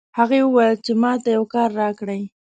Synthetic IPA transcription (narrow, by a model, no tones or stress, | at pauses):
haɣewwalt͡ʃɪmɑt̪ajawkɑɾːɑkɽaj